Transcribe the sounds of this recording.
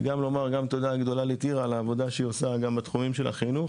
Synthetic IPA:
ɡamlo̞maʁɡamt̪o̞d̪aɡd̪o̞lalit̪iʁalaːvo̞d̪aʃeiosaɡambat̪χumimʃela̰χinuχ

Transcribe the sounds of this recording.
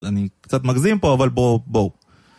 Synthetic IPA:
anikt͡sat̪maɡzimpo̞avalbobo

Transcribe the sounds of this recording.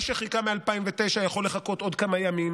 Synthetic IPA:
ʃeχikamealpaimvet̪e̞jʃajaχo̞lːe̞χako̞t̪o̞d̪kamajamim

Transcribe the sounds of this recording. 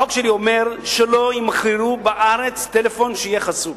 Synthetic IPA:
okʃelio̞me̞ʁʃelo̞imaχʁiʁubaʔaʁet͡st̪elefo̞nʃeijeχasub

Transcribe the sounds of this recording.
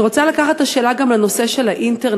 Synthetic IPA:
ʁo̞t͡salakaχat̪aʃeːlaɡamleno̞se̞ʃe̞laʔint̪eʁ

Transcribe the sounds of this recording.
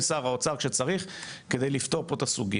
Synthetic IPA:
saʁaot͡saʁkʃet͡saʁiχ | ked̪ejlift̪o̞ʁpot̪asuɡi

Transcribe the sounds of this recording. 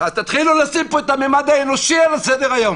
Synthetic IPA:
azt̪at̪χilulasimpoet̪amemad̪aenoʃialasɛd̪eʁajom

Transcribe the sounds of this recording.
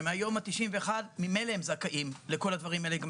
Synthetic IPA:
meajo̞mat̪iʃimve̞ːχadmimelehemzakaʔimleko̞lad̪vaʁimaeleɡa

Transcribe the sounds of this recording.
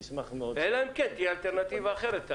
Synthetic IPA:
səmaχəmoːɛlankʰɛntialˠtʰɛrnatʰivaχɛɾətʰa

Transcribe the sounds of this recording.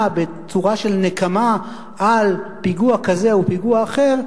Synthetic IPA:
be̞ | t͡suʁaʃe̞lnekama | alpiɡuakaze̞upiɡuaːχe̞ʁ

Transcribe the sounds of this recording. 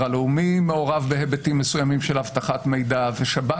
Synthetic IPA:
aleumimeo̞ʁavbeɦebetimːesujamimʃelhavtaχatme̞jdaveʃaba

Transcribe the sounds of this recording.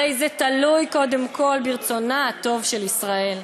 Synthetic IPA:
ejzet̪alujko̞de̞mkʰo̞lbiʁt͡so̞naat̪o̞vʃe̞lisʁae̞l

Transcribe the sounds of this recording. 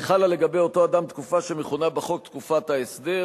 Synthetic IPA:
χalale̞ɡabe̞jo̞t̪o̞ad̪amt̪kufaʃemeχunabaχo̞kt̪kufat̪aesd̪e

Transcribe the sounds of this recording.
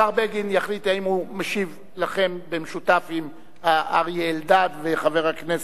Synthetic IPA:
aʁbeɡinjaχlit̪aimhumaʃiv | laχe̞mbemeʃut̪afim | haʔaʁjeːld̪ad̪veχave̞ʁhaknes

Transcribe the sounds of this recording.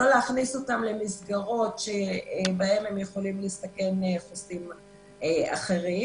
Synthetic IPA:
oleaχniso̞tamle̞misɡaʁo̞tʃebae̞memjeχo̞limlist̪ake̞neχosim | ea̰χe̞ʁi

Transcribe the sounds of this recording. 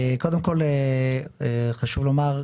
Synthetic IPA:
eko̞d̪emko̞le | eχaʃuvlo̞maʁ

